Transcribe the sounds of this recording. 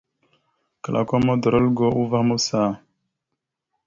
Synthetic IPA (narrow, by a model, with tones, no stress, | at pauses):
kə˨lʔa̰˨ko˦mo˦də˨ɾo˦lɡo˦ʔu˦va˦hmu˦sa˦˨